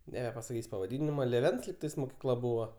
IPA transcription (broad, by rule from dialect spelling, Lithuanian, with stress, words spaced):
nʲɛbʲɛpɐsɐˈkʲiːsʲ pɐʋɐˈdʲɪnʲɪmɐ lʲeːˈʋʲɛns lʲiːkˈtɐɪs moːkʲiːˈklˠɐ ˈbʊʋoː